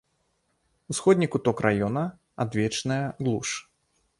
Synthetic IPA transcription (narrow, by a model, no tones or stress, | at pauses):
usxɔd̪ʲnʲikut̪ɔkrʔajɔnɐ | a̰d̪vʲɛt͡ʂnɐjɐɣlˠuʂ